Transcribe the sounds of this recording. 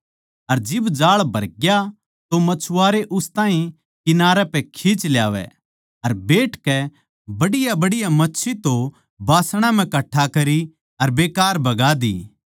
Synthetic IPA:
ɐɾd͡ʒɪbd͡ʒaːɭbʱɐɾɡja | t̪omɐt͡ʃʰʊaːɾeʔʊst̪ãːɦĩ | kɪnaːɾɛpɛkʰiːt͡ʃlja̰ːʋɛ̰ | ɐɾbeːʈkɛ | bɐɽɪjabɐɽɪjamɐtːʃʰit̪o | baːsɽ̃ãm̤ɛ̃kɐʈʰːakɐɾi | ɐɾbeːkaːɾbɐɡaːd̪ḭː

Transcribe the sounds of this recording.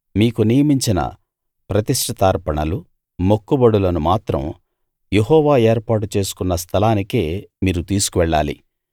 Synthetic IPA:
miːkunijɐmiɲt͡ʃinɐ̰ | pɾɐt̪iʂʈʰɐt̪aːɾpɐɳɐlu | mokːubɐɽulɐnumaːt̪ɾɐ̰m | je̞ɦɔːʋaːe̞ːɾpaːʈut͡ʃe̞ːsu̥kunːɐst̪ʰɐlaːnikeːmiːɾut̪iːsu̥kuʋɛɭːa̰ːlḭ

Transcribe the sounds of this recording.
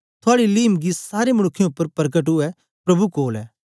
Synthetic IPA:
t̪ʰʊaːɽiliːmɡisaːɾemɐɽ̃ʊkʰːjẽʊpːəɾpɐɾɡəʈ̬ɦʊɛ | pɾɐbukoːlɛː

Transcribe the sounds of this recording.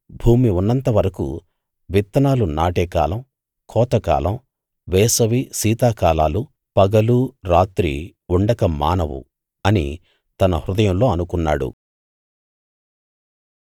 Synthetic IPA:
bʱuːmiunːɐnt̪ɐʋɐɾɐkṵ | ʋit̪ːɐnaːlunaːʈeːka̰ːlɐm | kʰɔːt̪ɐka̰ːlɐm | ʋɛːsɐʋisiːt̪aːkaːlaːlu | pɐɡɐluɾaːt̪ɾḭuɳɖɐkɐma̰ːnɐʋṵ | ɐnḭ | t̪ɐnɐhɾud̪ɐjɐmlo̞ːɐnukunːaːɽṵ

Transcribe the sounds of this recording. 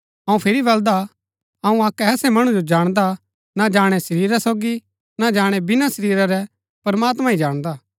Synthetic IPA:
ɐũpʰɪɾibɐld̪a | ɐũaːkɛːsɛmɐɽ̃ũd͡ʒod͡ʒaːɽ̃d̪a | nad͡ʒaːɽ̃ɛsɐɾiːɾasoːɡi | nad͡ʒaːɽ̃ɛbɪnasɐɾiːɾaɾɛ | pɐɾmaːt̪mãid͡ʒaːɽ̃d̪aː

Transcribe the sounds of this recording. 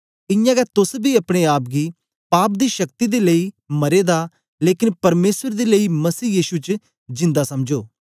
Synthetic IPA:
ɪjãːɡɛːt̪ʊsbiːəpɽ̃eːaːp̚ɡiː | paːp̚d̪iːʃək̚t̪iːd̪eːləiː | məɾeːd̪aː | leːkɪnpəɾmeːsəɾd̪eːləiːməsiːjiːʃut͡ʃ | d͡ʒɪ̃nd̪aːsəmd͡ʒoː

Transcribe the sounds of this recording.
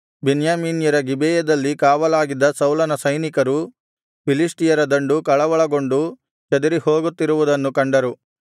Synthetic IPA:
benjaːmiːnjɐɾɐɡibɛːjɐd̪ɐlːikaːʋɐlaːɡid̪ːɐsɐwlɐnɐsɐjnikɐɾu | pilisʈijɐɾɐd̪ɐɳɖukɐɭɐʋɐɭɐɡo̞ɳɖu | t͡ʃɐd̪ɐɾihoːɡut̪ːiɾuʋud̪ɐnːukɐɳɖɐɾu

